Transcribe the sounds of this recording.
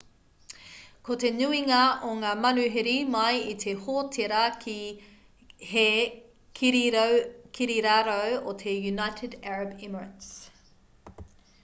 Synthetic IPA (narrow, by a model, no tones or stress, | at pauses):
kot̪enʉiŋɐʔoŋaːmɐnʉɦeɾimɐjit̪ʰehoːtʰeɾɐki | he | kʰ | kʰiɾiɾaɾowot̪ʰejunajtʰɪdæɹɐbɪməɹə̃ns